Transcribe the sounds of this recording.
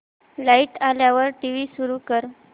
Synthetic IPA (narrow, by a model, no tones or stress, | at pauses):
laiʈaljaʋəɾʈiʋiːsuɾuːkəɾ